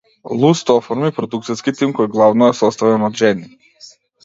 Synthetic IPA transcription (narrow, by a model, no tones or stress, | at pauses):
lˠust̪ɔfɔɾmipɾɔd̪uk̚t̪siskit̪imkɔjɡlˠavnɔɛsɔst̪avɛnɔd̪ʒɛni